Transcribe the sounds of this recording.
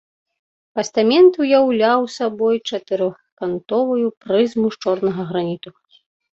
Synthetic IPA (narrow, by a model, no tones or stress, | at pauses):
pɐst̪amʲɛnt̪ujawlʲawsabɔjt͡ʂɐt̪ɨɾɔ | kant̪ɔvujupɾɨzmuʂt͡ʂɔrnɐɣɐɣɾanʲit̪u